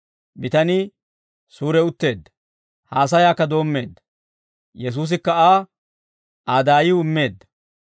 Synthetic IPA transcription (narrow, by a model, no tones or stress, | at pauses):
bɪt̪ɐnɪ | suːɾɛʊt̪ːe̞ːd̪ːɐ̥ | haːs̬ɐjaːkːɐd̪o̞ːmːe̞ːd̪ːɐ̥ | jɛs̬uːs̬ɪkːɐaː | aːd̪aːjɪɪmːe̞ːd̪ːɐ̥